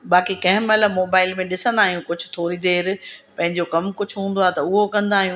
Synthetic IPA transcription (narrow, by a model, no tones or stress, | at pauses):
ɓaːkikɐ̃ɦɪ̃mɐləmoːbaːɪlmẽɗɪsə̃nd̪aːɦijũkʊd͡ʑʱʊ̥̆t̪ʰoːɾid̪eːɾpɐ̃ɦɪ̃ɲd͡ʑokɐmkʊd͡ʑʱʊɦũːn̆d̪oaːt̪ɐʊɦokɐ̃nd̪aːɦijũː